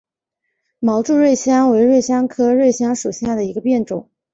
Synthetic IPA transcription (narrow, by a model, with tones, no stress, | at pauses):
mɑ˧˥ʊʈ͡ʂu˥˧ɻwe˥˩ɪɕjɑ˥ŋwe˧˥ɪɻwe˥˩ɪɕjɑ˥ŋkʰɤ˥ɻwe˥˩ɪɕjɑ˥ŋʂu˨˩ɕja˥˩d̪ə˩i˧˥ɡə˧pjɛ˥˩nʈ͡ʂʊ˨˩˦ŋ